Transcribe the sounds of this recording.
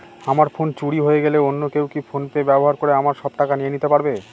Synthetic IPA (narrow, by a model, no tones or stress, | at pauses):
amaɾfont͡ɕuɽiɦojeɡeleonːokewkifʰonpebɛboɦaɾkoɾeamaɾʃɔb̚ʈakanijenit̪epaɾbe